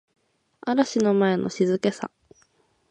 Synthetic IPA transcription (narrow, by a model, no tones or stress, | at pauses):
aɾaɕino̞mae̞nʔoɕizɨke̞sa̰